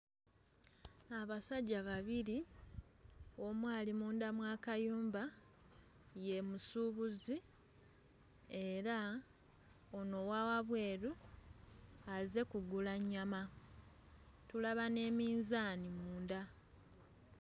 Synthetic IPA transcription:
aβasaɟːaβaβiɾi | o̞mwaːlimuːndamwaːkajuːmba | je̞musuβuzi | e̞ɾa | ono̞wawaβwe̞ːɾu | aze̞kuɡulaɲːama | tulaβane̞ːmiːnzaːnimuːnda

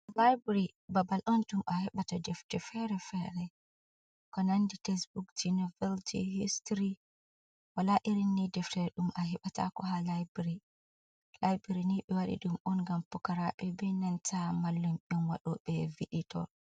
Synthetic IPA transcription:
lajbɾi | babalʔɔntumʔahɛɓatadɛftɛfɛɾɛfɛɾɛ | kɔnanditɛsbukd͡ʒinɔvɛltḭhistɾi | walaʔiɾinːidɛftɛɾɛɗumʔaɦɛɓata̰kɔɦalajbɾi | lajbɾiniɓɛwaɗḭɗumʔɔnɡampɔkaɾaɓɛbɛnantʰamalːumʔɔnwaɗɔɓɛviɗitɔ̰

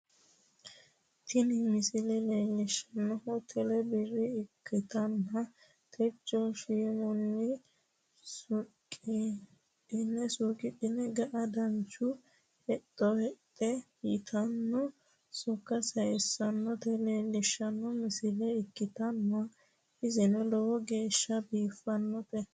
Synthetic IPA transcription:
t̪ʰɪnɪmɪsɪlɛleːlːɪʃɐnːɔhɔt̪ʰɛlɛbɪrːɪɪkʰːɪt̪ɐnːɐ | t̪ʰɛt͡ʃːɔʃimɔnːɪ | sʊkʼːɪ | ɪnːɛsʊkʼɪtɪnɛɡɐʔɐd̪ɐnt͡ʃʊ | hɛt̪ʼːɔhɛt̪ʼːɛ | ɪt̪ʰɐnːɔ | sʊkːɐsɐjɛsːɐnːɔt̪ɛleːlɪʃːɐnːɔmɪsɪlɛɪkːɪt̪ɐnːɐ | ɪzɪnɛlɔwɔɡe̞ːʃːɐbiːfːɐnːɔt̪ɛ

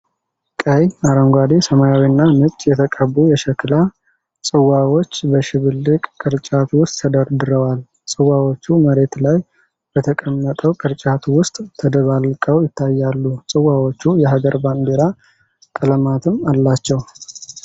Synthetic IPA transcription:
kʼəjaɾəŋɡʷad̪isəmajawinːanɨt͡ʃʼːjɛt̪ʰəkʼəbujɛʃɛkɨla | sʼɨwawot͡ʃːbəʃɪβɨlːɨkʼkʼɨɾt͡ʃʼat̪wʊst̪ʼt̪ʰəd̪əɾd̪ɨɾəwal | sʼɨwawot͡ʃːuməɾe̞t̪laj | b̥ət̪ʰəkʼəmːət̪ʼəwkʼɨɾt͡ʃʼat̪ʰwʊst̪ʼʰəd̪əβalkʼəwjɪt̪ʰːajːalːusʼɨwawo̞t͡ʃːujɛɦaɡəɾband̪eɾa | k̪ʼələmat̪ʰɨmalːat͡ʃːɛw

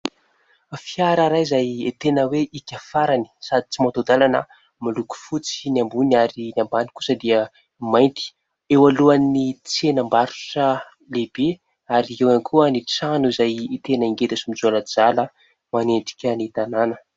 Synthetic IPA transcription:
fiaɾaɾajizajet̪enəweʔikʲəfaɾani̥sad̪i̥t͡simot̪od̪alanə | miluku̥fut͡si̥niambuniaɾinambani̥kusəd̪iə | majnt̪i̥ | ewaluanit͡senəmbaɾu̥ʈ͡ʂə | lebe | aɾiewanikʰuənit͡sanuizajit̪enəiŋɡed̪asumid͡zoanəd͡zalə | maneɳɖ͡ʐi̥kʲənit̪ananə

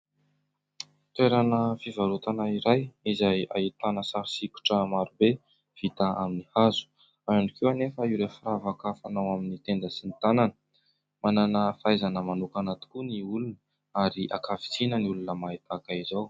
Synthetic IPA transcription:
t̪weɾanəfivaɾut̪anaiɾajizaja̰it̪anəsaɾsiku̥ʈ͡ʂəmaɾube | v̥it̪aaminihazu̥ | aanikewanefəiwɾefiɾavakafanawaminit̪end̪əsinit̪ananə | mananəfajzanəmanukanat̪i̥kuniulunə | aɾiʔakavi̥t͡sinəniulunəmait̪akaizaw

